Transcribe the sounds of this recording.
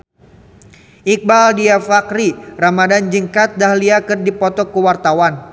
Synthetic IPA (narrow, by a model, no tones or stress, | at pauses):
ʔik̚baldiafakɾiramadand͡ʒɨŋkat̪̚dahliakɨrdipɔt̪ɔkuwart̪awan